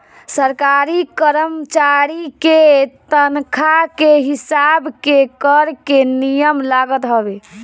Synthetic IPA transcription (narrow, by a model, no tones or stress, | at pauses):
səɾkaɾikəɾəmt͡ʃaɾiket̪ənkʰakeɦisabkekəɾkenijəmlaɡət̪ɦəbe